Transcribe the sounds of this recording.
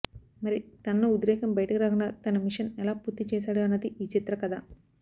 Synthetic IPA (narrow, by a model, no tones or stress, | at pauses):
mɐɾit̪ɐnːoud̪ɾɛːkɐmbɐjɐʈɐkiɾaːɡɐnːɐt̪ɐnɐmiʂɐnɛlaːpuɾt̪ːit͡ʃeːsaːɽuɐnːɐd̪iʔiːt͡ʃit̪ɾɐkɐd̪a̰ː